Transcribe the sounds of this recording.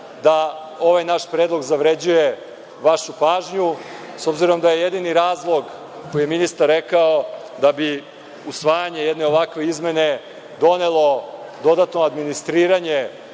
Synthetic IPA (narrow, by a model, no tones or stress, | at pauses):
d̪a | o̞ʋajnaʃpɾeːd̪lˠo̞ɡzaʋɾe̞d͡ʑuje | ʋaʃupaːʒɲu | so̞bziɾo̞md̪aje̞jed̪iniɾaːzlˠo̞ɡ | ko̞jijeminist̪aɾːekao | d̪abi | usʋaːjaɲe̞jed̪ne̞o̞ʋakʋe̞izme̞ne̞ | d̪o̞ne̞lˠo̞d̪o̞d̪at̪no̞ad̪minist̪ɾiːɾaɲe̞